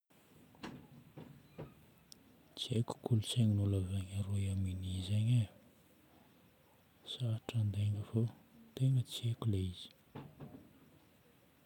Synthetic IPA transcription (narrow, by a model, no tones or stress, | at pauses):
t͡seku̥kʰulusaɲinulazaɲaɾoiaminizaɲa | saʈ͡ʂand̪eŋəvot̪eŋɡət͡sekuleizi̥